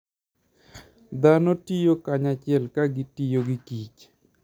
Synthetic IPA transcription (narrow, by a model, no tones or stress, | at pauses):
d̪anotijokaɲat͡ʃɪɛlkaɡɪtijoɡikit͡ʃ